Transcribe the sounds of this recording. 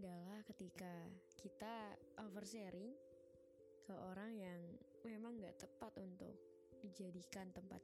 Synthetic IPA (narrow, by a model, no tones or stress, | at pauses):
idalahkət̪ikakit̪aʔɔfərseɾɪŋ | kəʔoɾaŋjaŋ | memaŋɡaʔt̪əpat̪unt̪ʊ̰k̚ | did͡ʒadikant̪əmpa̰t̪̚